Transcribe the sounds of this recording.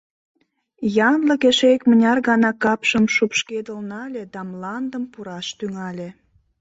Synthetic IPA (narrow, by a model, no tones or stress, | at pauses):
jɑnləkeʃekmənʲɑrɣɑnɑkɑpʃəmʃupʃked̪əlnɑlʲed̪ɑmlɑnd̪əmpuɾɑʃt̪yŋɑlʲe